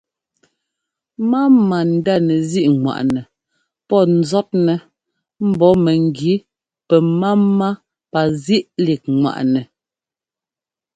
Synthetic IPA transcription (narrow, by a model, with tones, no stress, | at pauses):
ma˦ma˨n̩˨da˦˨nɛ˨zi˦ʔŋwa̰˨ʔnɛ˨ | pɔ˦˨n̩˨zɔ˦t̚nɛ˨ | m̩˦bɔ˨˦mɛ˨ŋ˨ɡi˨˦ | pɛ˨maː˦a˦ | pa˨zi˦ʔli˨k̚ŋwa̰˨ʔnɛ˨